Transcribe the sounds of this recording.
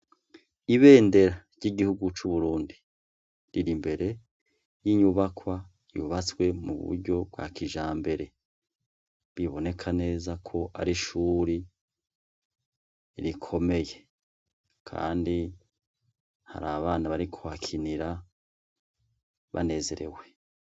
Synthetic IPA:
iβe̞ːnde̞ɾaɾɟ̥iɡihuɡut͡ʃuβuɾuːndi | ɾiɾimbe̞ɾe̞ | jiɲuβakwa | juβat͡swe̞mṵβṵɾɟo̞bwa̰kʰiʒaːmbe̞ɾe̞ | βiβo̞ne̞kʰane̞ːzakʰo̞ʔa̰ɾiʃuːɾi | ɾikʰo̞me̞je̞ | kʰa̰ːndi | ha̰ɾaβaːnaβaɾikʰohakʰiniɾa | βa̰ne̞ːze̞ɾe̞̰we̞

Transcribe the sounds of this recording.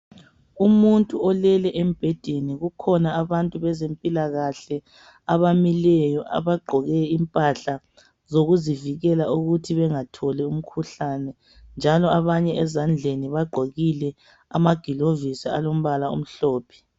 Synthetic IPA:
umuntʼuɔlɛlɛʔem̩b̥ʱɛd̥ʱeniɣukʰɔnaaβantʼuβɛzempʼilaɣaɬɛ | aβamilɛjɔʔa̰βaɡ͡ǃʱɔɣɛimpʼaɬa | zoɣuziviɣɛlaʔuɣutʰiβɛŋatʰɔlɛum̩kʰuɬanɛ | nd͡ʒʱalɔaβaɲɛɛzand͡ɮʱeniβaɡ͡ǃʱoɣilɛ | a̰maɡ̥ʱilovisia̰lom̩βalaṵm̩ɬɔːpʰɛ̥

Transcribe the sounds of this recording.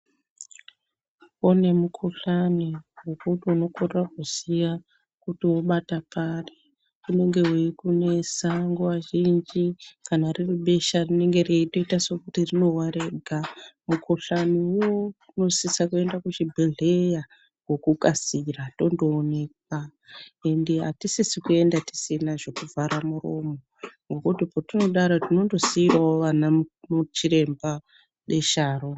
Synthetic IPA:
one̞mukʰuɬaniwokutuno̞korrakusija | kutiwo̞ɓatapare | une̞ŋɡe̞wekune̞saŋɡoʋaʒind͡ʒikanariruɓe̞ʃarine̞ŋɡe̞reito̞itaso̞kutirino̞waɾeɡʱamukʰoɬaniuwo | uno̞sisakue̞ndakut͡ʃibʱiɮe̞ja | ɡʱo̞kukʼasirato̞ndoːne̞k̚wae̞ndeɦatisisikue̞ndati̥sinaʐo̞kuvʱaɾamuro̞moŋɡo̞kutipotino̞ɗaɾatino̞ndo̞siirwawoʋanamut͡ʃiɾe̞mba | ɗe̞ʃaːɾo

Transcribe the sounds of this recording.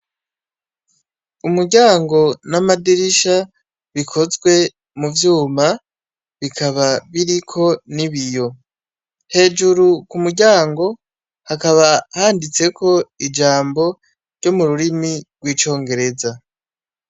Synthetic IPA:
umuɾɟaːŋɡo̞namadiɾiʃa | βikʰo̞zɡwe̞ | muvjuːma | βikʰaβaβiɾikʰo̞niβijo̞ | he̞ːd͡ʒuɾukumuɾɟaːŋɡo̞ | hakaβahaːndit͡se̞kʰo̞id͡ʒaːmbo̞ | ɾɟomuɾuɾimiɡwiːt͡ʃo̞ːŋɡe̞ɾe̞za

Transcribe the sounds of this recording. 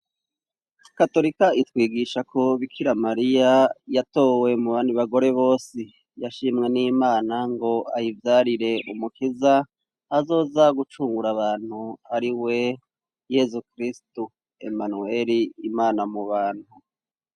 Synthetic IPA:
kato̞ɾikaitwiːɡiʃakʰo̞βikʰiɾamaɾijajato̞ːwe̞muβaːndiβaɡo̞ɾe̞βo̞ːsi | jaʃiːmŋe̞niːmaːnaŋɡo̞ajivjaɾiɾe̞umukizaː | zo̞ːzaɡut͡ʃuːŋɡuɾaβaːn̥huaɾiwe̞ | je̞zukɾistu | ḛmanue̞ɾiːmaːnamuβaːn̥hu

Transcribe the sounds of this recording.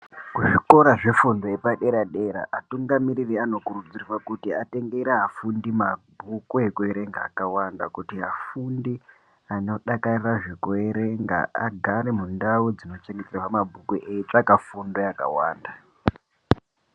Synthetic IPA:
kuʐiko̞ɾaʐe̞fundojepaɗe̞ɾaɗe̞ɾa̰ʔatuŋɡamiɾiriano̞kurud͡ziriwakutiate̞ŋɡe̞ɾeɦafundimabʱukuekueɾe̞ŋɡaːkawandakutiɦafundi | ano̞ɗakariraʐe̞kueɾeŋɡa̰a̰ɡʱaɾemundaud͡zino̞t͡ʃeŋɡeteraramabʱukuʔeit͡ʂakafundojaka̰wa̰ːnda

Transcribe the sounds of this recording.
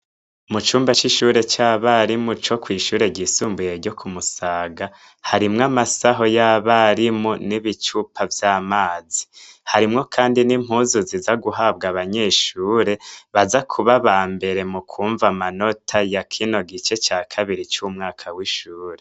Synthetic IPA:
mut͡ʃuːmbat͡ʃiʃuːɾe̞t͡ʃaβaɾimut͡ʃo̞kwiːʃuːɾe̞ɟisuːmbuje̞ɾɟo̞kʰumusaːɡa | haɾimŋamasaɦo̞jaβaɾimuniβit͡ʃupʰavjamaːzihaɾimŋo̞kʰaːndinim̥huːzuzizaɡuɦab̚ɡaβaɲeʃuːɾe̞βazakʰuβaβaːmbe̞ɾe̞mukʰuːɱvamano̞tʰajakʰino̞ɡit͡ʃe̞t͡ʃaːkʰaβiɾit͡ʃumŋaːkʰawiʃuːɾe̞

